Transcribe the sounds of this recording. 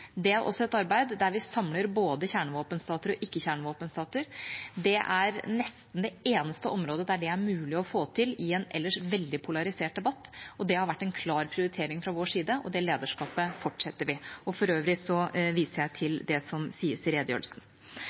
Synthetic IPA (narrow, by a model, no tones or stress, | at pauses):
d̪ɛæɾʔɔ̰sːɔɛt̪ɑɾbæɪd̪d̪æɾʋɪsɑmləɾboːd̪əçæːɳəʋoːpənst̪ɑːt̪əɾɔʔɪkːəçæːɳʋoːpənst̪ɑːt̪əɾd̪ɛʔæɾnɛst̪n̩d̪ɛeːnəst̪əʔɔmɾoːd̪əd̪æɖɛæɾmʉːlɪɔfoːt̪ʰɪlɪɛnʔɛ̰lːəʂʋɛld̪ɪpʰʊlɑɾɪseːʈ̚d̪ɛbɑt̪ːɔd̪ɛhɑɾʋæʈːɛnkʰlɑːɾpʰɾɪʊɾɪt̪ʰeːɾɪŋfɾɑʋoːʂiːd̪əʔɔ̰d̪ɛleːd̪əʂkɑːpəfɔʈːʂɛt̪ːəɾʋɪɔfɔɾøːʋɾɪsɔʋiːsəɾjæɪt̪ʰɪld̪ɛsɔmsiːəsɪɾeːd̪jø̰ːlsn̩